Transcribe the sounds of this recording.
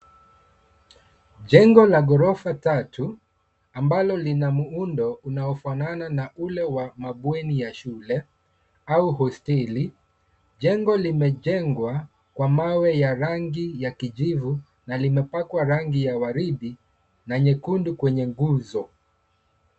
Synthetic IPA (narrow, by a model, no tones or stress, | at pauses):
ʄɛŋɡɔlaɡɔɾɔfatatʰu | ambalɔlinamuundɔunaɔfanananaulɛwamaɓwɛnijaʃulɛ | auɦɔstɛli | ʄɛŋɡɔlimɛʄɛŋɡwa | kwamawɛjaɾaŋɡijakiʄivu | nalimɛpakwaɾaŋɡijawaɾiɗi | naɲɛkundukwɛɲɛŋɡuzɔ